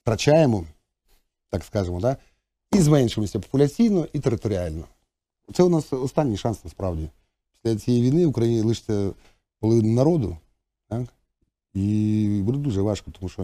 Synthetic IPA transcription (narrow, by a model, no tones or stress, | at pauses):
ft̪ɾɐt͡ʃajemɔ | t̪akskɑʒɪmɔd̪a | izmɛnʃemɔsʲɐpɔ̥pʊlʲɐt͡sʲijnɔʔit̪eɾɪt̪ɔɾʲɪalʲnɔ | ɔt̪sɛʊnɑsɔst̪anʲːijʂɑnsnɐspɾɑʋdʲi | pʲi̥sʲlʲɐt͡sʲijɛjʋʲijnɪʋʊkɾɐjinʲɪlˠɪʃt͡sʲɐ | pɔlˠɔʋɪnʊnɐɾɔd̪ʊ̰ | t̪ak | ibud̪ɛd̪uʐɛʋɑʂkɔ̥t̪ɔmuʃt͡ʃɔ